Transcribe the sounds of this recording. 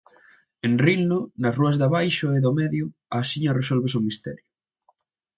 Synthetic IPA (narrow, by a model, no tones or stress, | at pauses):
enrinnʊnɐsruɐzðɐβajʃʊeðʊmɛðjʊasiɲɐresolβesʊmist̪ɛ̰ɾjʊ